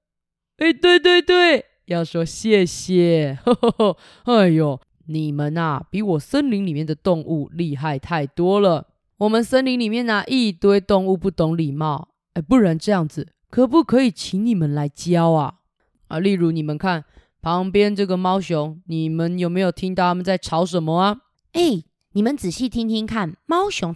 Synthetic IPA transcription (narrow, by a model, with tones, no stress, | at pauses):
e˥˩ɪt̪we˥˧ɪt̪̬we˥˧ɪt̪we˥˩ɪ | jɑ˥˩ʊʂwɔ˦˥ɕjɛ˥˩ɕjɛ˨˩ | a˥˧˩jo˨˩ | ni˨˩mə˨nɐ˨pi˨˧˥wɔ˨˩sə˦nli˧˦ŋli˨˩mjɛ˥˩nd̪ə˩t̪o˥˧ŋʔu˥˧li˥˧ɦa˥˧ɪt̪ʰa˥˩ɪt̪wɔ˦lə˨ | wɔ˨mə˦nsə˦nli˧˥ŋli˨˩mjɛ˥˨na˨ʔi˥˧t̪we˥ɪt̪o˥˧ŋu˥˧pu˥˩t̪o˧˦ŋli˨˩mɑ˥˩ʊ | e˥˧˩pu˥˩ɻa˧˦nʈ͡ʂɤ˥˧jɑ˥˩ŋd͡z̩˨˩ | kʰɤ˨˩pu˥˩kʰɤ˧˦i˨˩t͡ɕʰi˧˥ŋni˨˩mə˨nla˧˦ɪt͡ɕjɑ˦ʊa˨ | a˥˧li˥˩ɻu˧˦ni˨˩mə˦nkʰa˥˩n | pʰɑ˧˦ŋpjɛ˦nʈ͡ʂɤ˥˩ɡə˨mɑ˥ʊɕjʊ˧˦ŋni˨˩mə˨˦njo˨˩ʊme˧˥ɪjo˨˩ʊt̪ʰi˦ŋt̪ɑ˥˨ʊa˥mə˨nt͡sa˥˩ɪʈ͡ʂʰɑ˨˦˥ʊʂə˧˦˥nmə˧a˨ | e˥˩ɪ | ni˨˩mə˨˦nt͡sɹ̩˨˩ɕi˥˩t̪ʰi˥ŋt̪ʰi˦˥ŋkʰa˥˨nmɑ˥ʊɕjʊ˧˥ŋ